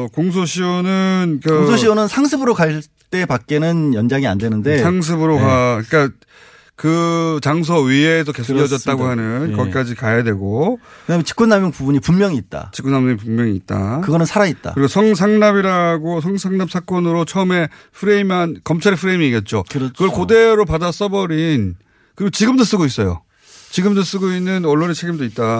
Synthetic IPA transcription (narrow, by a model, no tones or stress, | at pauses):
koŋs̬ʰoɕʰiwʌnɯnkɯkoŋsʰoɕʰiwʌnɯnsʰaŋsʰɯbɯɾoka | t͈e̞pak̚k͈enɯnjʌnd͡ʑaŋia̰ndwe̞nɯnde̞sʰaŋs̬ʰɯbɯɾokak͈a | kɯt͡ɕaŋs̬ʰʌɥies̬ʰʌke̞sʰokjʌd͡ʑʌt̚t͈aɡohanɯnkʌkk͈ad͡ʑikajadwe̞ɡokɯnamet͡ɕi̥k͈unːamjoŋpubuɲipummjʌŋiːt̚t͈a̰t͡ɕik͈unːamjʌŋipumːjʌŋiːt̚t͈a̰kɯɡʌnɯnsʰaɾait̚t͈a̰ɯɾikosʰʌŋs̬ʰaŋnabiɾaɡos̬ʰʌŋsʰaŋnap̚sʰak͈ʌnɯɾot͡ɕʰʌme̞ | ɸʰɯɾe̞imankʌmt͡ɕʰaɾepʰɯɾe̞imiːɡet̚t͡ɕ͈okɯɡʌkode̞ɾopadas͈ʌbʌɾin | kɯɾiɡot͡ɕiɡɯmdos͈ɯɡois͈ʌjo̰ | t͡ɕiɡɯmdos͈ɯɡoinːɯnʌɭːonet͡ɕʰe̞ɡimdoit̚t͈a